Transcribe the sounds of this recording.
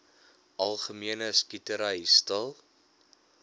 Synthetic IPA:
ʔɐlˠχəmiənəskitəɾɐistəlˠ

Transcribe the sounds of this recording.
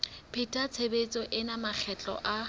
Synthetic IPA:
pʰɪtʰʼat͡sʰebet͡sʼɔʔɪnamak͡xʰɛt͡ɬʼɔ̰ʔa

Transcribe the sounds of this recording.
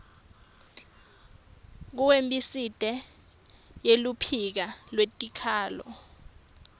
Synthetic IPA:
k̬uwembʼisitʼɛ | jelupʰik̬alwetʼikʰaːlɔ̰

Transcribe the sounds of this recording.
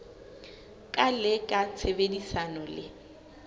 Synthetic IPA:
kʼalɪkʼat͡sʰebedisanɔlɪ

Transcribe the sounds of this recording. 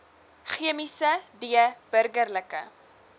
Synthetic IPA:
χiəmisədiəb̥ərɡərləkə̰

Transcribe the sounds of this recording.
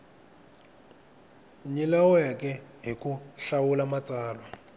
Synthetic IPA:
ɲilawɔjakɛɦikuɬawulamat͡saːlwa

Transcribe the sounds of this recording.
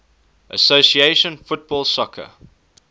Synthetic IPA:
ʔəsosieɪʃə̃nfʊt̚b̥ɔːlˠsɔkʰə̰

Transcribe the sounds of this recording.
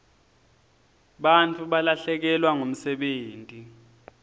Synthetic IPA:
ɓantʰʼuɓalaɬɛk̬ɛlwaŋom̩sɛɓeːntʼi

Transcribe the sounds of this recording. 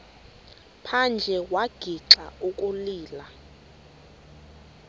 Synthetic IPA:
pʰand͡ʒʱɛwaɡ̥ʱiǁaukʼuliːla

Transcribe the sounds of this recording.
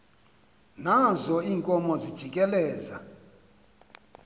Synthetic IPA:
nazɔiːŋkʼɔmɔzid̥ʒ̥ʱikʼɛlɛːza̰

